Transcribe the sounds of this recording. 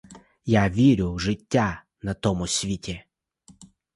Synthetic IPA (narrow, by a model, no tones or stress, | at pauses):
jaʋʲiɾʲʊʐɪtʲːa | nɐt̪ɔmʊsʲʋʲitʲe